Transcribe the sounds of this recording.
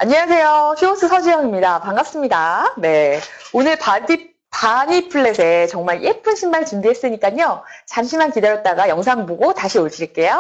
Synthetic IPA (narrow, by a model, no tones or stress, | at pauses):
aɲewasʰe̞joɕʰios͈ʰɯsʰʌd͡ʑijʌŋimɲidapaŋɡap̚s͈ɯmɲidane̞onɯɭpadi | paɲipʰɯɭːe̞sʰe̞t͡ɕʌŋmaɭjʔe̞p͈ɯnɕʰimːaɭt͡ɕumbiɦe̞s͈ɯɲik͈aɲot͡ɕaŋɕʰimankideɾjʌt̚t͈aɡajʌŋs̬ʰaŋboɡotaɕʰioɭd͡ʑiiɭk͈e̞jo